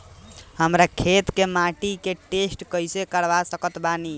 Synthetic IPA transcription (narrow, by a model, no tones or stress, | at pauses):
həmɾakʰet̪kemaʈikeʈesʈkəjsekəɽʋasəkət̪bani